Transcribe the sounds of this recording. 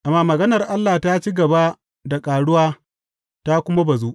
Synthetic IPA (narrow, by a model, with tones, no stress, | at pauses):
ʔa˨mːaː˦mɐ˨ɡɐ˦nɐ˨rʔa˦lːaː˨taː˦t͡ʃiː˦ɡɐ˨ba˦ | da˨kʼaː˨ɽʊ˦waː˦ | ta˦kʷʊ˦ma˦ba˨zu˦ʔ